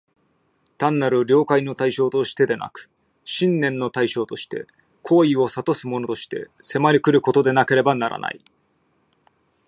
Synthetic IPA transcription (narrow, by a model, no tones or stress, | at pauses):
t̪ãnːaɾɯ̟ɾʲo̞ːkaino̞t̪aiɕo̞ːt̪o̞ɕi̥t̪e̞d̪e̞na̰kɯ̟̥ | ɕĩnːẽ̞nːo̞t̪aiɕo̞ːt̪o̞ɕi̥t̪e̞̰ | kʰo̞ːio̞sat̪o̞sɨmono̞t̪o̞ɕi̥t̪e̞̰se̞maɾʲikɯ̟ɾɯ̟ko̞t̪o̞d̪e̞nake̞ɾe̞banaɾa̰na̰i